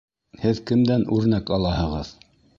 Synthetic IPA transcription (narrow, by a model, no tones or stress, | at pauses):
hɘðkɘ̆md̪ænʉɾnækɑlˠɑhɤ̆ʁɤð